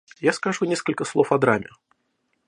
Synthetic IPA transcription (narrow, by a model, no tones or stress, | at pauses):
jaskaʐunʲeskəlʲkəslˠofɐd̪ɾamʲɪ̰